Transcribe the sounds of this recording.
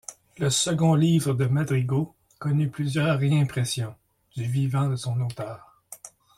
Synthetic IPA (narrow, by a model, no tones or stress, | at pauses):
ləsəɡɔ̃liːvʁəd̪əmad̪ʁiɡo | kɔnyplyzjœːʁʁeɛ̃pʁɛsjɔ̃ | d̪yvivɑ̃d̪əsɔ̃not̪œːʁ